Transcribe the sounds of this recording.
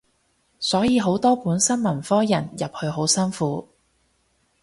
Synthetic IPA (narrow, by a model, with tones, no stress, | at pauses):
sɔː˨˥jiː˨˧ɦo˨˥wt̪ɔː˥puː˨˥nsɐ˥nmɐ˨˩nfɔː˥jɐ˨˩njɐ˨p̚hɵ˧ɥɦo˨˥wsɐ˥nfuː˨˥